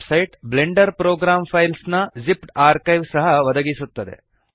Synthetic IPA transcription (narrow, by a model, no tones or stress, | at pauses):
sɐjʈbleɳɖɐɾpɾoːɡɾaːmpʰɐjlsnɐzipʈaːɾkɐjʋsɐɦɐʋɐd̪ɐɡisut̪ːɐd̪ḛ